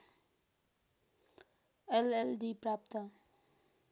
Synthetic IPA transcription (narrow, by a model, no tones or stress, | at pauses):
ɛlɛlɖipɾap̚t̪ə